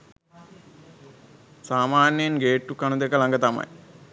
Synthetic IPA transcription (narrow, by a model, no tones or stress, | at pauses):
saːmaːnjejinɡeːʈːukanud̪ekəlaŋɡət̪amɐ̰j